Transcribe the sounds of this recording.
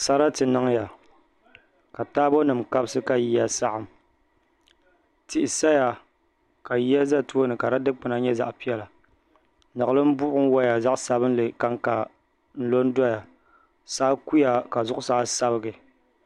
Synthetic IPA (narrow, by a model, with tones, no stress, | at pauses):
sa˦ɾa˦tɨ˨nɨ˦ŋ˦ja˨ | ka˨taː˦bo˦nɨ˨mka˦bsɨ˦ka˨ji˦ja˦sa˦ʔa˨m | tɪ˨ʔɪ˨sa˦ja˨ | ka˨ji˦a˦za˦tu˦o˦nɨ˨ka˨ɾa˦dɨ˦k͡pɨ˨na˨˦ɲɛ˦za̰˨ʔpi˦ɛ˦la˨ | nɨ˨ɣɨ˦lɨ˦m̩˦bʊ˦ʔʔʊ˦ŋ˦wa˦ja˨za˦ʔsa˨bɨ˦n˦lɨ˨ka˦ŋka˨ | n̩˦lo˦n˦da˦ja˨ | saː˦ku˦ja˨ka˨zʊ˦ʔʊ˦sa˨˦sa˦bɨ˦ɡɨ˨